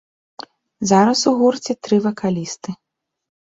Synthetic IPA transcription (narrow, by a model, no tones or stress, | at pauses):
zaɾɐsuɣurt͡sʲɛt̪ɾɨvɐkʰalʲist̪ɨ